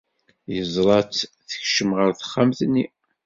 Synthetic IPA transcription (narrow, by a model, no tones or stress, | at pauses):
jəzˤɾˤɑt͡sθə̥çʃəmʁəɾθə̥χːamθnːi